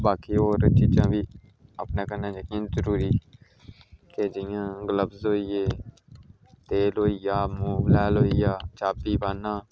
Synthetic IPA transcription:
baːkiːoːɾt͡ʃiːd͡ʒãːʋiː | əpnãːkəɾnaːd͡ʒaːkːzəɾuːɾiː | ked͡ʒɪjãːɡələbzɦoːiːjeː | t̪eːlɦoːiːjaːmuːʋlɛːlɦoːijaːt͡ʃaːpiːbaːnãː

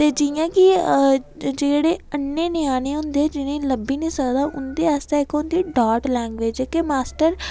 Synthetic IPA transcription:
t̪eːd͡ʒijãːkɪ | d͡ʒeːɽeːənːeːneːaːñẽːɦʊ̃nd̪ed͡ʒɪnẽːləbiːnĩːsəkd̪aːʔʊnd̪eːaːst̪eːɪkʊ̃nd̪iːɖaːʈlɛ̃ːŋɡʋeːd͡ʒeːkemaːsʈəɾ

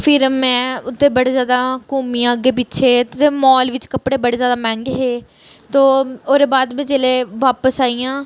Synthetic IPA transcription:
pʰɪɾmɛ̃ːʊt̪ːẽːbəɽeːzjaːd̪aːkuːmijãːəɡeːp̬ɪtːʃʰeːt̪t̪eːmɔːlʋɪt͡ʃkəpɽeːbəɽeːzjaːd̪aːmɛ̃ːŋɡɦeː | t̪oːoːɾeːbaːd̪mẽːd͡ʒeːleːʋaːpəsaːiːãː

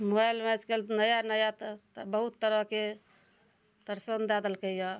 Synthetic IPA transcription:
mojlmɛt͡ʃkelnəjanəjat̪bəɦut̪ːəɾəke | t̪əɾsənd̪ɛd̪əlkəja

